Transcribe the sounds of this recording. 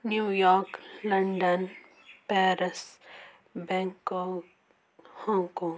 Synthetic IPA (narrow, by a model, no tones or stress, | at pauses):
njuːjɔːɾklɐɳɖən | pɛːɾɪs | bɛ̃ːŋko | hɔ̃ːŋkɔ̃ːŋ